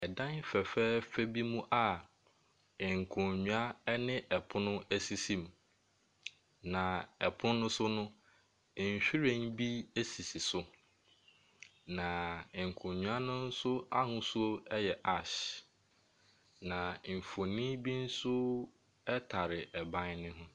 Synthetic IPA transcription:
ɛ˨dã˦n˦fɛ˨fɛː˦fɛ˦bi˦mũ˦ʔa˦˨ | ŋ̩˨kʰʊ̃˨ɲũ˨a˦ɛ˦nɪ̃˦ʔɛ˨pʰʊ̃˦nʊ̃˦æ˦si˨sĩ˨m | nã˨ɛ˨pʰʊ̃˦nːʊ̃˦sʊ˦nʊ̃˦˨ | ɲ̩˨ɕᶣi˦ɾẽ˦nbi˦e˦si˨si˨sʊ˦ | nã˨ŋ̩˨kʰʊ̃˨ɲɲũ˨a˦nʊ̃˦n̩˦sʊ˦a˦hʊ̃˦su˦o˦ɛ˦jɛ˨ʔa˨ɕ | nã˨m̩˨fo˨nĩ˦bi˦n̩˦sʊ˦ | ɛ˦tʰa˨ɾɪ˨ɛ˨bã˦nnɪ̃˦ɦʊ̃˦

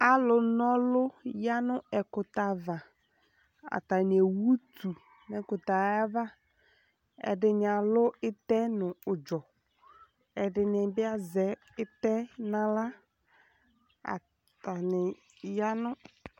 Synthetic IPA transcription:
a˦lʊ˨nɔ˦lʊ˦ja˦nʊ˦ɛ˨kʊ˨ta˨va˨ | a̰˨ta˨nɪ˨e˨wu˦tu˨ | nɛ˨kʊ˨ta˨˦a˦va˦ | ɛ̰˨dɪ˨nɪ˨a˨lʊ˦ɪ˦tɛ˦nʊ̃˨ʊ˨d͡ʒɔ˨ | ɛ˨dɪ˨nɪ˨bɪ˦a˦zɛ˨ | ɪ˦tɛ˦nã˨la˦ | a̰˨ | ta˨nɪ˨ | ja˦nʊ˦

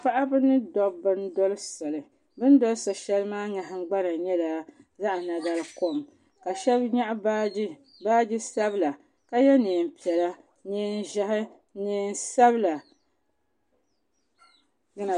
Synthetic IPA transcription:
pa˦ʔa˦bɨ˦nɨ˦dɔ˨bbɨ˦ndɔ˦lɨ˦sa˨lɨ˨ | bɨ˦n˦dɔ˦lɨ˦sa˨ʃɛ˦lɨ˦maː˦ɲa˨ɦɪ˦ŋ̩˦ɡ͡ba˦na˨ɲɛ˦la˨ | za˦ʔa˨na˨ɡa˦lɨ˦ko˦˨m | ka˨ʃɛ˦bɲa˦ʔa˦ba˦ | baː˦d͡ʒi˦sa˦bla˨ | ka˦jɛ˦neː˨m̩˨pi˨ɛ˨la˦ | neː˦n˦ʒa˦hɪ˦ | neː˨n˦sa˦bla˨ | ɡa˦na˨

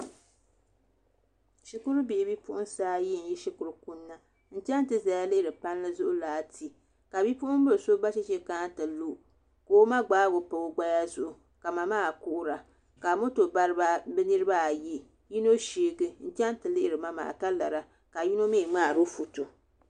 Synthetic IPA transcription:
ʃi˨kʊ˦ɾɨ˦bi˨bi˦pʊ˦ʔʊ˦n˦saː˦ji˦˨n̩˨˦jɛ˦ʃi˦kʊ˨ɾʊ˨ku˦nːa˦ | n̩˦t͡ʃɛ˦n˦tɨ˨za˨ja˦lɪ˦ɪ˨ɾɨ˨pa˦n˦lɨ˦zʊ˦ʔʊ˦laː˨˦tʰi˨ | ka˨bi˦pʊ˦ʔʊ˦m˦bɨ˦˨so˦ba˦ʃɪ˦t͡ʃɛ˦ka˦tɨ˨lu˦ | koː˦ma˦ɡ͡baː˦ɡʊ˨pa˨o˦ɡ͡ba˦ja˦zʊ˦˨ʔʊ˨ | ka˨ma˨maː˦˨kʊ˦ʔʊ˦ɾa˨ | ka˨mo˦to˨ba˦ɾɨ˦ba˦bɨ˦nɨ˦ɾɨ˦ba˦a˨ji˦ | ji˦no˦ʃiː˨˦ɡɨ˦n̩˦t͡ʃɛ˦n˦tɨ˨lɪ˦ʔɪ˨ɾɨ˨ma˦ma̰ː˨ka˦la˨ɾa˨ | ka˨ji˦no˦me˦˨ŋ͡maː˦˨ɾo˦fu˨tu˨

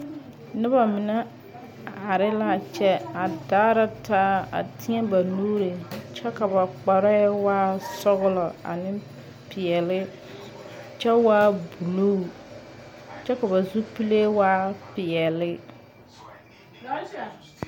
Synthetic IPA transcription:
nɪ˦ba˨mɪ˨nɛ˦ | ha˨ɾɪ˦la˦˨t͡ʃɛ˦a˨daː˦ɾa˦taː˦a̰˨tʰɪ˦ɛ˦ba˨nu˦ɾe˨t͡ʃɛ˦ka˨ba˨k͡pa˨ɾɔ˦ɛ˦waː˦sɔ˦ɣʊ˦lɔ˨a̰˨nɪ˦ | pɪ˨ɛ˨lɪ˦ | t͡ʃɛ˦waː˦bu˨lo˦˨ | t͡ʃɛ˦ka˨βa˨zu˦pi˦le˦waː˦pɪ˨ɛ˨lɪ˦

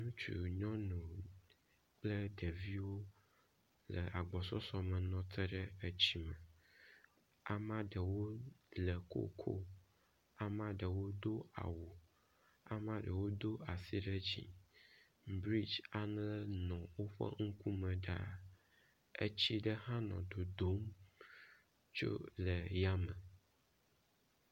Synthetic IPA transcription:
nũ˦t͡ʃṵ˨ɲɔ̃˦nũ˨ | k͡plə˦ɖə˨vi˦wo˦ | lə˨a˨ɡ͡bɔ˨sɔ˦sɔ˦mə̃˨nɔ̃˨t̪ə˦ɖə˦ə˦t͡ɕi˦mə˨ | a̰˨mã˦ɖə˨wo˦lə˨ko̰˦kʰo̰˦ | a˨mã˦ɖə˨wo˦d̪o˦a̰˨wo˨ | a̰˨mã˦ɖə˨wo˦d̪o˦a˨si˦ɖə˦d͡ʑḭ˨ | bɾi˦d͡ʒa˦n˦lɛ˦nɔ̃˨wo˦ɸa̰˦ŋ̩˦ku˦mə̃˨ɖa̰˨ | ḛ˦t͡ɕi˦ɖə˦ɦã˦nɔ̰̃˨d̪o˨d̪o˦m | t͡ʃo̰˦lə˨ja˦mɛ̃˨

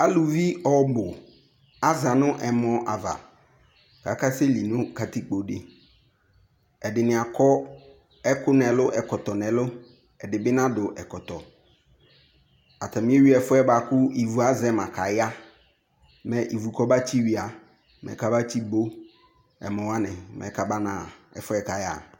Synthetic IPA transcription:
a˦lu˨vi˦ɔ˦bʊ˨ | a˦za˨nʊ̃˦ʔɛ˨mɔ̃˨ʔa˨va̰˨ | ka˨ka˦se˦li˨nʊ̃˦ka˨ti˦k͡po˨dɪ˨ | ɛ˨dɪ˨nɪ̃˨a˨kʰɔ˦ | ɛ˦kʊ˦nɛ̃˨lʊ˦ʔɛ˨kɔ˨tɔ˨nɛ̃˨lʊ˦ | ɛ˨dɪ˨bɪ˦nã˦dʊ˨ʔɛ˨kɔ˨tɔ˨ | a˨ta˨mĩ˦e˦wi˦ɛ˨fʊ˦ɛ˦ba˨kʊ˦i˨vu˨a˦zɛ˦mã˨kʰa˨ja˦ | mɛ̃˨ʔi˨vu˨kɔ˦ba˦t͡ɕi˦wi˨a˨ | mɛ̰˨ka˦ba˦t͡ɕi˦bo˦ | ɛ̰˨mɔ̃˨wa˦nɪ̃˨mɛ̰˨˦ka˦ba˦nã˨ɛ̰˨fʊ˦ɛ˦ka˨ja˦˨

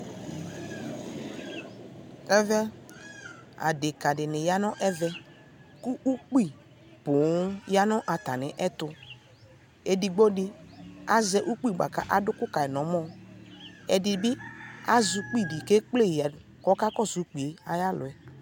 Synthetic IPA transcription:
ɛ˦vɛ˦ | a̰˨dɪ˨ka˨dɪ˨nɪ˨ja˦nɔ˦ʔɛ˦vɛ˦ | ku˦u˦k͡pi˦˨ | pʊ˨˦ja˦nɔ˦ʔa˨ta˨nɪ˨˦ʔɛ˦t̪ʊ˧ | e˨di˨ɡ͡bo˦dɪ˦a˨zɛ˦ʔu˦k͡pi˦˨ɡ͡ba̰˨ka̰˦ʔa˨dʊ˦kʊ˦ka˨ɛ˨nɔ˨˦mɔ˦ | ɛ˨di˨bɪ˦a˦zu˨k͡pi˦˨di˨ke˦k͡ple˦˨a˨ | kɔ˦ka˦kɔ˦zu˨˦k͡pi˨e˨a˨ja˦lʊ˨ɛ˨

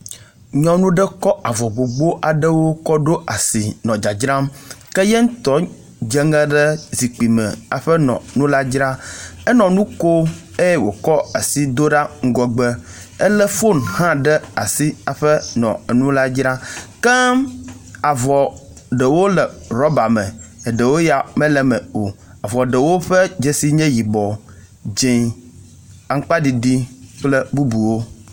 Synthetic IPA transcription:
ɲɔ̃˦nũ˦ɖə˦kɔ˦ʔa˨vɔ˨ɡ͡bo˨ɡ͡bo˦ʔa˨ɖə˦wo˦kɔ˦ɖo˦ʔa˨si˨nɔ̃˨d͡ʒa˨d͡ʒɾa˦mkə˦jɛ˦ŋ̩˦t̪ɔ˨˦ | d͡ʒə˦ŋə̃˦ɖə˦zi˨k͡pi˨mə̰̃˨a̰˨ɸə˦nɔ̰̃˨nũ˦la˦d͡ʒɾa˦ɛ˦nɔ̃˨nũ˦ko˦ | e˦jwo̰˨kɔ˦a̰˨si˦d̪o˦ɖa˦ŋ̩˦ɡɔ˨ɡ͡bə˦ | ə˦lə˦fo˦nhã˦ɖɛ˦a̰˨si˦a˨ɸɛ˦nɔ̰̃˨ɛ˨nũ˦la˦d͡ʒɾa˦kɛ˦ | a˨vɔ˨ | ɖə˨wo˦lɛ˨ɾɔ˦ba˨mɛ̃˨e˨ɖə˨wo˦ja˨mɛ̃˦lɛ˨mɛ˨o˨ | a˨vɔ˨ɖə˨wo˦ɸɛ˦d͡ʒe˨si˦ɲɛ̃˦ji˨bɔ˨ | d͡ʒĩ˨ | a˨ŋ̩˦k͡pa˦ɖi˨ɖi˦k͡plɛ˦bu˦bu˨wo˦

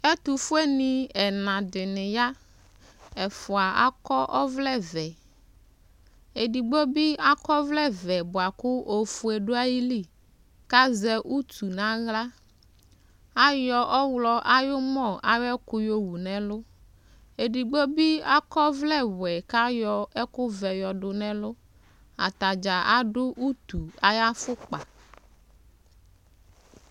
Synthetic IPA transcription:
ɛ˦t̪u˨fʊ˦e˦nĩ˨ɛ˨nã˨dɪ˨nɪ̃˨ja˦ | ɛ˨fʊ˨a˨a̰˦kɔ˦ʔɔ˦vlɛ˦vɛ˨ | e˨di˨ɡ͡bo˦bi˦a˦kɔ˦vlɛ˦˨vɛ˨bʊ˨a˨kʊ˦ʔo˨fu˨e˨ɖʊ˦a˦ji˦li˦˨ | ka˦zɛ˦ʔu˦t̪u˨nã˦ɣla˦ | a˦jɔ˨ʔɔ˦wlɔ˦ʔa˦jʊ˦mɔ̃˨ʔa˨jɛ˦kʊ˦jo˦wu˨nɛ̃˨lʊ˦ | e˨ɖi˨ɡ͡bo˦bi˦a˦kɔ˦vlɛ˦˨wɛ˨ka˦jɔ˦ɛ˦kʊ˦vɛ˨jɔ˨ɖʊ˨nɛ̃˦lʊ˦ | a̰˨t̪a˨d͡ʒa˨ʔa˦ɖʊ˦ʔu˦t̪u˨a˨ja˦fʊ˦k͡pa˨

